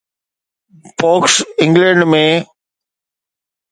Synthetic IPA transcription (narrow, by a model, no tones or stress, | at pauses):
poːksɪ̃ŋɡlɛ̃ɳɖmẽː